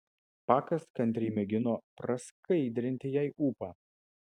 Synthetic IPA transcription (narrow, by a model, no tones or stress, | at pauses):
pɑːkɐskɐnʲt̪ʲɾʲiːmʲɛɡʲɪnoːpɾɐskɐɪd̪ʲɾʲɪnʲt̪ʲɪjɛɪʔuːpɑː